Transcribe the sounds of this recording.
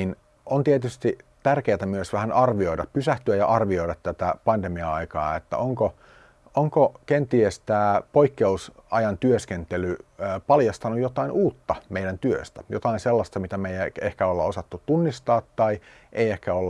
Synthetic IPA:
in | ont̪iet̪yst̪it̪ærkeːt̪æmyøsʋæhænɑrʋioiɾɑppysæht̪yæjɑ̰ʔɑrʋioiɾɑt̪t̪æt̪æpɑnd̪emiɑɑikɑːet̪ːæ̰oŋko | ʔoŋkokent̪iest̪æːpoikːeusɑjɑnt̪yøskent̪elyːpɑljɑst̪ɑnujot̪ɑinʔuːt̪ːɑmeidænt̪yøst̪æ̥jo̰t̪ɑinselːɑst̪ɑmit̪æmeijæehkæolːɑosɑt̪ːut̪unːist̪ɑːt̪ːɑi | ʔeiehkæolː

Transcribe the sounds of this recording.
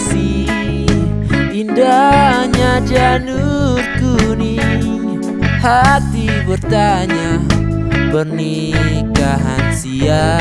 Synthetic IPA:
si | indahɲad͡ʒanurkuni | hat̪ibərt̪aɲa | bərni | kaɦa̰nsia

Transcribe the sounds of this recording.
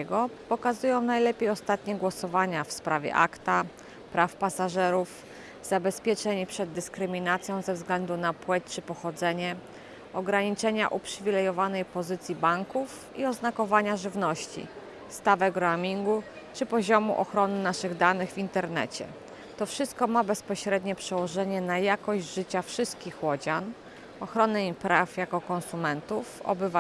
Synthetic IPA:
ɛɡɔpɔkazujɔ̃w̃najlɛpʲjejɔst̪at̪̚ɲɛɡwɔsɔvaɲafspɾʔavʲjɛ̰ʔa̰kt̪a | pɾʔafpasaʐɛɾuf | z̥abɛspʲjɛt͡ʂɛɲpʂɛd̪ːɘskɾɘmʲinat̪sʲjɔ̃w̃zɛvzɡlɛnd̪unapwɛt͡ɕt͡ʂɘpɔxɔd̪zɛɲɛ | ɔɡɾaɲit͡ʂɛɲa̰ʔupʂɘvʲilɛjɔvanɛjpɔzɘt̪sʲjibaŋkuf | iɔznakɔvaɲaʐɘvnɔɕt͡ɕḭ | st̪avɛɡɾamʲiŋɡu | t͡ʂɘpɔʑɔmṵʔɔxɾɔnɘnaʂɘɣd̪anɘɣvʲint̪ɛɾnɛ̰t͡ɕɛ̰ | t̪ɔfʂɘst̪̚kɔmabɛspɔɕɾɛd̪ɲɛpʂɛwɔʐɛɲɛnajakɔʑʐɘt͡ɕafʂɘst̪̚kʲixwɔd͡ʑan | ɔxɾɔnɛipɾafjakɔkɔnsumɛnt̪ufɔ̰bɘva

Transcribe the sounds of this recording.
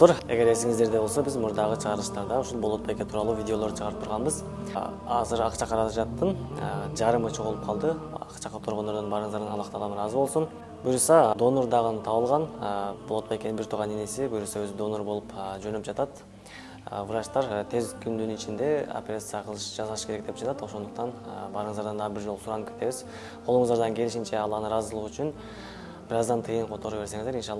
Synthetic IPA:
t̪uɾe̞̰ɡʲe̞ɾe̞siŋizd̪e̞ɾd̪e̞bo̞lˠso̞bizmuɾd̪ɑʁət͡ʃʰəʁɑɾlˠɯʃt̪ɑɾd̪ɑuʃulˠboo̞t̪̚pɑjeket̪ʰuɾɑlˠuːvʲidʲeo̞lˠo̞ɾd̪ɯt͡ʃʰəʁɑɾɯp̚t̪ʰuɾʁɑnbɯz | ɑ̰zɯɾɑ̰qt͡ʃɑqʰɑɾɑlˠɯpd͡ʒɑt̪ːɯnd͡ʒɑɾɯmɯt͡ʃʰo̞ʁulˠp̚qʰɑlˠd̪əɑ̰qt͡ʃɑqot̪ʰoɾʁond̪oɾd̪onbɑɾɯɴzd̪ɑɾd̪ɑnɑlˠɑqt̪ɑlˠɑmɾɑzbo̞lˠsun | bujɾusɑd̪o̞noɾd̪ɑʁənt̪ʰɑβəlˠʁɑnbʊlˠot̪pɑjkʰʲe̞nɪbɪɾt̪ʰuɾʁɑnenesɪbyjɾisɑwɵzɪd̪o̞nːoɾbo̞lˠəpəʒɵnɪpʒɑt̪ɑt̪ | vəɾɑʃt̪ɑɾt̪ʰe̞zkʲʰʏnd̪ɪnɪt͡ʃɪnd̪e̞o̰pʲeɾʲat̪sɨjɑqʰəlˠʃʒɑzɑlˠʃkʲeɾek̚d̪e̞p̚ʒ̥ɑt̪ɑt̪woso̞nd̪əq̚t̪ɑnbɑɾəɴəzɑɾd̪ɑnd̪ɑbɪɾʒo̞lˠəsʊɾɑnkʲʰet̪eβɪz | qʰolˠəɴəzd̪ɑɾd̪ɑŋkʲʰe̞lɪʃɪnt͡ʃe̞ɑlˠːɑnəɾɑzəlˠəʁʏʃʏn | b̥ɪɾɑzd̪ɑnt̪ʰɯjəɴqʰot̪o̞ɾube̞ɾse̞ŋɪzd̪eɾinʃɑlˠː

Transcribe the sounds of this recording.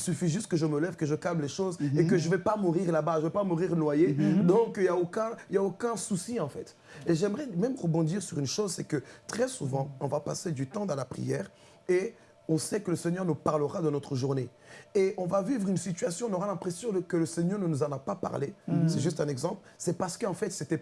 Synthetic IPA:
isyfiʒyst̪̚kəʒəməlɛvkəʒəkalmleʃozekəʒəvɛpamuʁiʁlabaʒəvɛpamuʁiʁnwajed̪ɔ̃kiljaokɛ̃iljaokɛ̃susiɑ̃fɛt̪ | eʒɛmʁɛmɛmʁəbɔ̃d̪iʁsyʁynʃozsɛkət̪χɛsuvɑ̃ɔ̃vapased̪yt̪ɑ̃d̪ɑ̃lapχḭjɛːʁ | e | ɔ̃sɛkələsɛɲœʁnupaʁləʁad̪ənɔt̪χəʒuʁne | eɔ̃vavivʁynsit̪ɥasjɔ̃ɔ̃nɔʁalɛ̃pχesjɔ̃əkələsɛɲœʁnənuzɑ̃napapa̰ʁlesɛʒyst̪ɛ̃nɛɡzɑ̃plsɛpaʁsə̥kəɑ̃fɛt̪sɛt̪ɛ

